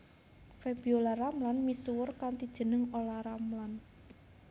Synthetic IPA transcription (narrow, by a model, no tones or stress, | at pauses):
febiolaramlanmisuwʊrkant̪id̥ʒ̥ə̤nəŋolaɾamlan